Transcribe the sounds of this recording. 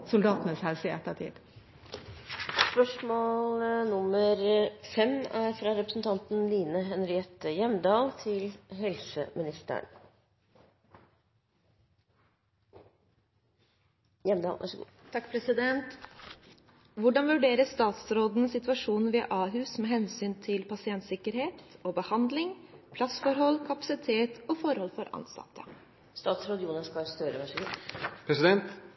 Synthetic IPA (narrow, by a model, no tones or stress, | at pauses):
sʊld̪ɑːt̪ənəshæɾsɪɛ̰t̪ːɑt̪ʰɪ̰ːd̪ | spœʂmoːlnʊməɾfɛmæɾfɾɑːɾɛpɾəsn̩t̪ʰɑnt̪n̩liːnəɦɛnɾɪɛt̪ːəjɛmd̪ɑːlt̪ʰɪlɦɛlsə̰mɪnɪst̪ə̰ɳ | jɛmd̪ɑ̰ʔæ̰ʂəɡ | t̪ʰɑkːpʰɾɛsɪd̪ɛnt̪ | ʋʊɖɑnʋʉɖeːɾəst̪ɑːt̪sɾoːd̪n̩əsɪt̪ʉɑʂuːnn̩ʋɪɑ̰ʔɑːɦʉːsmeːɦɛnsyːnt̪ʰɪlpʰɑsɪɛnt̪sɪkəɾheːt̪obəhɑnd̪lɪŋpʰlɑsfɔɾhɔlːkʰɑpɑ̥sɪt̪ʰeːt̪ɔfɔɾhɔlfɔɾʔɑ̰nsɑ̰t̪ʰːə | st̪ɑːt̪sɾoːd̪əjuːnɑskɑst̪øːɾəʋæʂəɡuːpʰɾɛsɪd̪ɛnt̪